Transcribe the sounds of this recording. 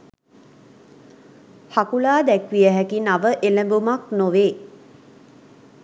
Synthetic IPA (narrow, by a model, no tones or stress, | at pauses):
hakulaːd̪ækʋijəɦækinaʋəʔeləmbumaknoʋeː